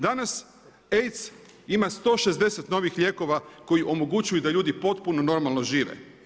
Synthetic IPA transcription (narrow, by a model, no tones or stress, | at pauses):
d̪anas | ejt̪s | imast̪o̞ːʃe̞zd̪e̞set̪no̞ʋixʎʲe̞ːko̞ʋako̞iʔo̞mo̞ɡut͡ʃujud̪aʎuːd̪ipo̞t̪puno̞no̞ɾmalˠno̞ʒiːʋḛ